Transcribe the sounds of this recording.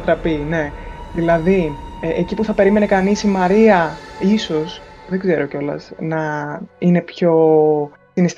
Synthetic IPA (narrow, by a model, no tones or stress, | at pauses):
t̪ɾɐpine̞ðilɐðiecipuθɐpe̞ɾime̞nekɐnisimɐɾiɐiso̞s | ðe̞ɡze̞ɾo̞co̞lɐ̰snɐine̞pço̞ | sinist̪